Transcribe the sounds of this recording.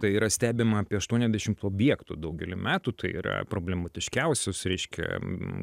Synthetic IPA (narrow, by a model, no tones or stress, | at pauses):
t̪ɐɪiːɾɐsʲt̪ʲæːbʲɪmɐɑːpʲiɛɐʃt̪uɔnʲɛzʲd̪ʲæɛʃʲɪmt̪oːbʲjiɛkt̪ud̪ɐʊɡʲɛlʲɪmʲæːt̪ut̪ɐɪḭːɾɐ̰pɾoːblʲɛmɐt̪ʲɪʃʲkʲɛʊsʲosɾʲɛɪʃʲkʲɛ̰